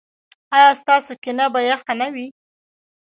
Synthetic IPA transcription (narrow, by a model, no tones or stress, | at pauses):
ɑjɑst̪ɑsokɪnabajaxanawi